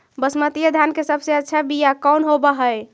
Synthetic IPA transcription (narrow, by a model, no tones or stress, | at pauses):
bəsmət̪ijəd̪ʱjankesəbseətːʃʰabijakɔwnɦobəɦəj